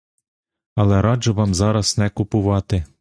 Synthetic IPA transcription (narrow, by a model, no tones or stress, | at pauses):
ɐlˠɛɾɑʒɔʋɑmzɑɾɐsnɛkʊpʊʋɑt̪ɪ